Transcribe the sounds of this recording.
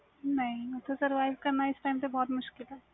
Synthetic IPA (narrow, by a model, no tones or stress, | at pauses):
nɐɦĩʊt̪ʰesɐɾʋaːɪʋkɐɾnaɪsʈaːɪmpebɔːt̪mʊʃkɪlɦɛː